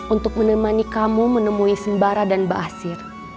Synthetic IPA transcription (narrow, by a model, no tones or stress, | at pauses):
unt̪ʊk̚mənəmanikamumənəmuisəmbaɾadanbə̰ʔasɪr